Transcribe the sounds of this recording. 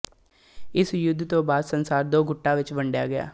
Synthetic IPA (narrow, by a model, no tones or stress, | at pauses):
ɪsjʊd̪ːt̪õːbaːd̪sənsaːɾd̪oːɡʊʈːãːʋɪt͡ʃʋəɳɖja̰ːɡɪja̰ː